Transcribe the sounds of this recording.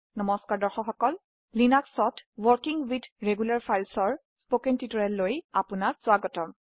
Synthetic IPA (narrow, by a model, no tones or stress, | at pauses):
nɔmɔskaɹdɔɹxɔkxɔkɔl | linaksɔtwɔɹkiŋwitʰɹeɡulaɹpʰajlsɔɹ | spokɛntitɔɹɛlːojapunak̚z̥ʊaɡɔtɔm